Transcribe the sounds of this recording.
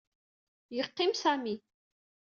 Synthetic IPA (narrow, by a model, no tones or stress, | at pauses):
jəqːimsami